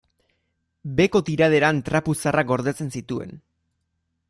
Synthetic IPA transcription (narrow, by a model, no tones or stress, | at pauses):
be̞ko̞t̪iɾað̞e̞ɾant̪ɾapusarak̚ɡo̞ɾðet͡se̞nsit̪ue̞̰n